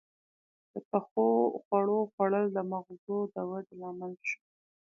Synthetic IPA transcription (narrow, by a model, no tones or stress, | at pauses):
d̪̥əpaxoxwaɽoxwaɽəld̪əmaɣzod̪əwaɖmɑməlʃu̥